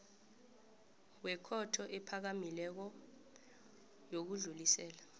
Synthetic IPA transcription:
wɛkʰɔtʰɔʔɛpʰak̬amilɛk̬ɔ | jok̬uɮulisɛːla

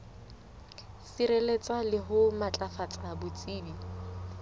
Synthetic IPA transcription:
siɾelet͡sʼalɪɦʊmat͡ɬʼafat͡sʼabʊt͡sʼiːdi

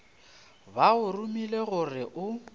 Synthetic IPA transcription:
baʊrumileɣʊrɪʔʊ

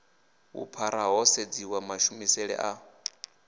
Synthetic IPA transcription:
wṵpʰaɾaɦɔsed͡ziwamaʃumisɛɺɛ̰ʔa

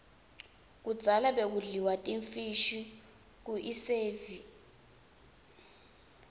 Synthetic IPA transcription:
k̬u̥d͡z̥ʱalaɓek̬uɮiwatʼiɱfiʃi | k̬uʔiseːvi

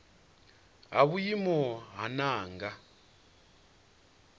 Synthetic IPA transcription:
ɦaβujimɔɦanaːŋɡa

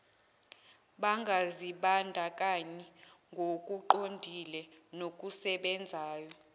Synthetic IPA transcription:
ɓaŋɡʱaziɓandʱakʼaɲɛŋɡʱokʼuǃondʱilɛnokʼusɛɓɛnd͡zʱaːjɔ

